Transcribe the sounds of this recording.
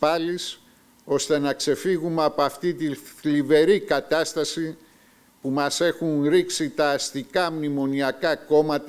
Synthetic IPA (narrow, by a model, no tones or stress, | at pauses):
pɐlis | o̞st̪e̞nɐkse̞fiɣumeɐpoɐft̪it̪iθlive̞ɾikɐt̪ɐst̪ɐsi | pumɐse̞xunɾiksit̪ɐːst̪ikɐmnimo̞niɐkɐko̞mɐt̪